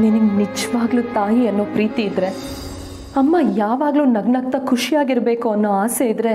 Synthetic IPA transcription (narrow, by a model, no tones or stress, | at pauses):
niniɡnid͡ʒɐʋaːɡluːt̪aːjiɐnːo̞ːpɾiːt̪iːd̪ɾe̞ | ɐmːɐjaːʋaːɡluːnɐɡnɐk̚t̪ɐkʰuʂijaːɡiɾbe̞ːkuɐnːo̞ːaːse̞id̪ɾe̞